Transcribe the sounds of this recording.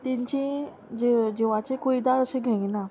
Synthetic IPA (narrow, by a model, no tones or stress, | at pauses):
t̪iɲt͡ɕĩ | d͡ʑid͡ʑiʋat͡ɕekuid̪aəsẽɡʱeŋina